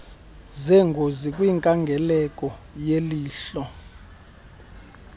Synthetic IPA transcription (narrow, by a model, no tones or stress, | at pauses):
zɛŋɡʱozikʼwiŋkʼaŋɡʱɛlɛkʼɔ | jeliːɬɔ